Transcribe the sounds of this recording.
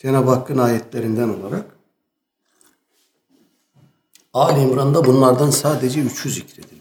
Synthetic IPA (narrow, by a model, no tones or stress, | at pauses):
d͡ʒʰenabakːɯnaːjɛt̪ʰlʲeɾind̪æno̞̰lˠaɾak | aːlʲimɾand̪abunlˠaɾd̪ansaːd̪ed͡ʒɛyt͡ʃʰjyzicɾed̪ilʲ